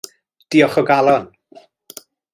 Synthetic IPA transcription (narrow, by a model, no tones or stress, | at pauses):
d̥iɔχɔɡalˠɔn